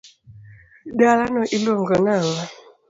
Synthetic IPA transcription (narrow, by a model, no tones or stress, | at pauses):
dalanɔʔiloŋɡɔnaŋa